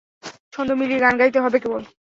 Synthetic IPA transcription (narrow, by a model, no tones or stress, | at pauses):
ʃʰond̪omiliɡanɡait̪eɦɔbekebol